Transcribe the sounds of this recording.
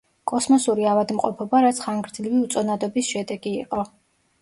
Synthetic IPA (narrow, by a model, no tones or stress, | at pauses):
kʼɔsmɔsuɾiavad̪mqʼɔ̰pʰɔbaɾat̪sʰχaŋɡɾd̪zliviut̪sʼɔnad̪ɔbisʃɛd̪ɛɡiːqʼɔ